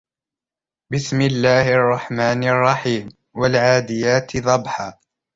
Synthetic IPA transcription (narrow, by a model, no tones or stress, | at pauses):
bɪsmɪlːaːhʔɑrˤːɑħmaːnɑrˤːɑħiːm | walʕaːd̪ɪjaːt̪ɪðˤɑbħaː